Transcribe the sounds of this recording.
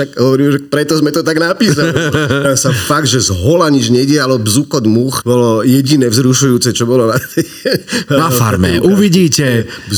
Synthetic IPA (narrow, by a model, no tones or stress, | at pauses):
akɦɔʋɔɾiːmʒɛpɾɛt̪ɔzmɛt̪ɔt̪aɡnapiːsalasafaɡ̚d̪ʒɛzɦɔlaɲid͡ʒɲɛɟɪalɔbzukɔd̪muxbɔlɔjɛɟinɛːvzɾuʃujuːt͡sɛt͡ʃɔbɔlɔnat̪ɪ | ɛnafaɾmɛ̰ʔuʋiɟiːcɛb